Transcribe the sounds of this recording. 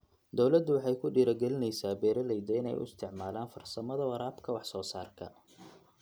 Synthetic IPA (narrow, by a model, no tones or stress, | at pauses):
d̪ɔwlɐd̪ːʊwɑħɑjkʰʊɖiːɾɐɡɛlɪnɛjsaːbɛːɾɐlɛjd̪ɛɪnɛ̰jʊ̰ɪst̪ʰɪʕmaːlaːnfɐrsɐmɐðɐwɑɾaːbkʰɐwɑħsɔːsaːrkʰɐ̰